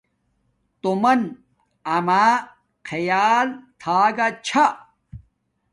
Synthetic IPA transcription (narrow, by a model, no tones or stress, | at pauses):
t̪omɐn | ɐmaː | kʰɐjaːlt̪ʰaːɡat͡ɕʰa